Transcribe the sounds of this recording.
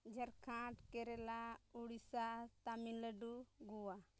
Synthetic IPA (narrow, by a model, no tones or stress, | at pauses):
d͡ʒəɾkʰãʈkɛɾɛlauɽisat̪aminləɖuɡuwa